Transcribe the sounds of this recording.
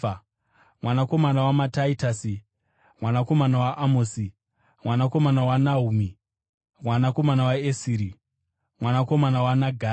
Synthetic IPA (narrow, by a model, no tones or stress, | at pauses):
mwanako̞manawamataitasi | mwanako̞manawaʔamoːsi | mwanako̞manawanaumi | mwanako̞manawaesiːɾi | mwanako̞manawanaɡʱa